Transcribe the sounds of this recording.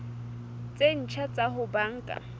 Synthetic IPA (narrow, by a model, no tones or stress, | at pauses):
t͡sʼen̩t͡ʃʰat͡sʼaɦʊbaŋ̩kʼa̰